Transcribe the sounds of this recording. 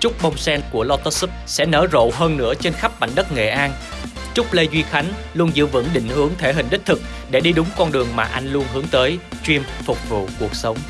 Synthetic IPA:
t͡ɕʊ˦˥k͡p̚ɓə˧wŋ͡msɛ˧nku˧˩əlɔ˧t̪əː˦˥sɨ˦˥p̚sɛ̰˧˥nəː˧˩zo̰˧˨ɦəː˧nːɨ̰˧˥ət͡ɕe˧nxa˦˥p̚ɓa̰˧˨jŋ̟ɗə˦˥t̚ŋḛ˧˨ʔaː˧n | t͡ɕʊ˦˥k͡p̚le˧jzwi˧xa˨˦jŋ̟ | lu˧ənzɨ̰˧˨vɨ̰˧˥ŋɗḭ̈˧˨ŋ̟hɨ˨˦əŋt̪ʰe˧˩ɦï˨˩ŋ̟ɗ̪i̟˦˥t̪ʰɨ˨˩k̚ | ɗe˧˩ɗi˧ɗʊ˨˦ŋ͡mkɔ˧nɗɨ˨˩əŋmaː˨˩ʔa˧jŋ̟lu˧ənɦɨ˨˦əŋt̪əː˨˦jt͡ɕwi˧əmfʊ˨˩k͡p̚vṵ˧˨ku˨˩ək̚sə˨˦wŋ͡m

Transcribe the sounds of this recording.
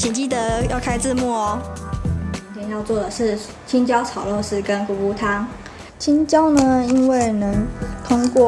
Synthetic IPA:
t͡ɕʰi˨˩nt͡ɕi˥˩t̪ə˧˦jɑ˥˩ʊkʰa˥ɪt͡sɹ̩˥˧mu˥˩ɔ˨˩˧ | t̪jɛ˨˩njɑ˥˧ʊt͡swɔ˥˩d̪ə˩ʂɻ̩˥˩ | t͡ɕʰi˥nt͡ɕjɑ˥ʊt͡sʰɑ˨˩ʊlɔ˥˧ʂɻ̩˥˩kə˦˥nku˧˩u˥t̪ʰa˥ŋ | t͡ɕʰi˥nt͡ɕjɑ˥ʊnə˧i˦˥nwe˥˩ɪnɤ˧˥ŋt̪ʰʊ˥ŋkwɔ˥˩

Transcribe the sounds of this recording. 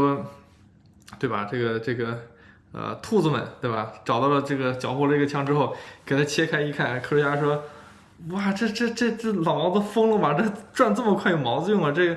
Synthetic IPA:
ɔ˥ | t̪we˥˩ɪbɐ̰˩ʈ͡ʂɤ˥˩ɡə˩ʈ͡ʂɤ˥˩ɡə˩ | ə̰˧t̪ʰu˥˩d͡zə˩mə̰˨˩nt̪we˥˩ɪbɐ̰˨˩ʈ͡ʂɑ˨˩t̪ɑ˥˩lə˩ʈ͡ʂɤ˥˩ɡə˩t͡ɕjɑ˨˩ʊpʰɔ˥˩lə˧˥˩ɡə˩t͡ɕʰjɑ˥ŋʈ͡ʂɻ̩˥xo˥˩ʊke˨˩ɪt̪ʰa˥t͡ɕʰjɛ˥kʰa˥ɪi˧˥kʰa˥˩nkʰɤ˥˩wə˥ja˥ʂwɔ˥ | wa˥˩ʈ͡ʂɤ˥˧ʈ͡ʂɤ˥˧˩ʈ͡ʂɤ˥˧ʈ͡ʂɤ˥˩lɑ˨˩ʊmɑ˧˥d̪ə˧fɤ˥ŋlɔ˥˩mɐ˨˩ʈ͡ʂɤ˥˩ʈ͡ʂwa˥˧nt͡sə˥˩mə˩˧kʰwa˥˩ɪjo˨˩ʊmɑ˧˥ʊd͡zɹ̩˥˧jʊ˥˩ŋlə˩ʈ͡ʂɤ˥˩ɡə˩

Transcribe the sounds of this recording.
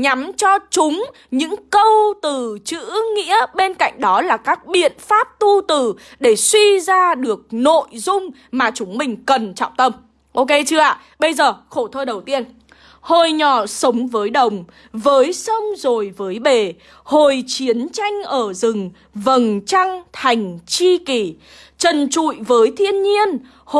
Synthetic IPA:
ɲa˨˦mt͡ɕɔ˧t͡ɕʊ˨˦ŋ͡m | ɲɨ̰˧˥ŋkə˧wt̪ɨ˨˩t͡ɕɨ̰˧˥ŋḭ˧˥əɓe˧nka̰˧˨jŋ̟ɗɔ˨˦laː˨˩kaː˦˥k̚ɓḭ˧˨ənfaː˦˥p̚t̪u˧t̪ɨ˨˩ɗe˧˩swi˧zaː˧ɗɨ˨˩ək̚no̰˧˨jzʊ˧ŋ͡m | maː˨˩t͡ɕʊ˨˦ŋ͡mmï˨˩ŋ̟kə˨˩nt͡ɕɔ̰ː˧˨wŋ͡mt̪ə˧m | ʔo˧ke˧t͡ɕɨ˧əʔa̰ː˧˨ | ɓə˧jzəː˨˩xo˧˩t̪ʰəː˧ɗə˨˩wt̪i˧ən | ho˨˩jɲɔ˧˩sə˨˦wŋ͡mvəː˨˦jɗə˨˩wŋ͡m | vəː˨˦jsə˧ŋ͡mzo˨˩jvəː˨˦jɓe˨˩ | ho˨˩jt͡ɕi˨˦ənt͡ɕa˧jŋ̟ʔəː˧˩zɨ˨˩ŋ | və˨˩nt͡ɕa˧ŋt̪ʰa˨˩jŋ̟t͡ɕi˧ki˧˩ | t͡ɕə˨˩nt͡ɕṵ˧˨jvəː˨˦jt̪ʰi˧ənɲi˧ən | h

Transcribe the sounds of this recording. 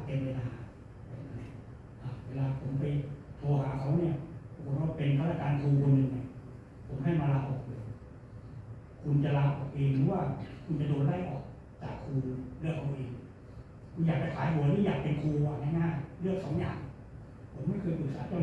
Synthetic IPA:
pe˧npe˧naː˧a˨˦˧ | a˨˩˨na˧˩ | ʔa˧˩weː˧laː˧pʰo˩˦mpa˧jt̪ʰɔː˧ɦaː˩˦kʰa˧˥˩wni˥˩ɐa˧˦ko˨˩˦t̚waː˧˥˩pe˧nt̪ʰa˧˩tːa˧˩kaː˧nkʰuː˧kʰo˧nːɯ˧ŋna˧˩ | pʰo˩˦mha˥˩jmaː˧laː˧ʔo˨˩p̚dɯ˧ | kʰu˧nt͡ɕa˨laː˧pʔɔː˨˩kʔeː˧ŋɾɯː˨˦waː˥˩kʰu˧nt͡ɕa˨doː˧t̚daː˥˩jʔɔː˨˩k̚ | t͡ɕaː˨˩kʰːuː˧lɯ˥˩əkʰːa˧wʔeː˧ŋ | kʰu˧njaː˨˩k̚a˧˩jkʰaː˨˦jkʰu˨˦niː˧˥˩jaː˨˩k̚pe˧nkʰuː˧a˧˩naː˧˩ŋaː˥˩jlɯ˥˩ək̚sɔː˩˦ŋja̰ː˨˩ŋ | pʰo˩˦mː˧˥˨kʰɤː˧jpɯː˨˩saː˨˦t͡ɕɔː˧˥˩

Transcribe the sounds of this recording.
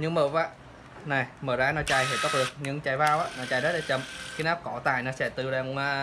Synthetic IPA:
ɲɨ˧ŋməː˨˩vaː˧˩ | na˨˩jməː˨˩zaː˨˧˦nɔ˨˦t͡ɕaː˧jhe˧˩t̪ə˦˥k͡p̚ɗɨ˨˩ək̚ɲɨ˧ŋt͡ɕaː˧˩jvaː˧wʔaː˧˦˥nɔ˨˦t͡ɕaː˧jzə˦˥t̚aː˨˧˩t͡ɕə˨˧˩mkaː˨˦naː˦˥p̚kɔ˧˩t̪aː˨˩jnɔ˨˦sɛ̰˧˥t̪ɨ˧ɗaː˧˩a˧

